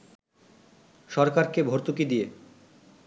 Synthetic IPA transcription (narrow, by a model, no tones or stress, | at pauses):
ʃɔɾkaɾkebʱoɾt̪ukid̪ije